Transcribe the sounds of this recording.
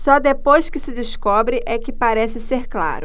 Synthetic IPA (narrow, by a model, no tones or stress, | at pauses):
sɔd̪epojskɪsɪd͡ʒɪskɔbɾɪʔɛkɪpaɾɛsɪseɾkla̰ɾʊ